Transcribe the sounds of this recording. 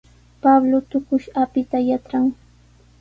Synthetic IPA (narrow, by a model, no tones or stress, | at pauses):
pablot̪ʊkʊʃapɪt̪ajat͡ʃɾaŋ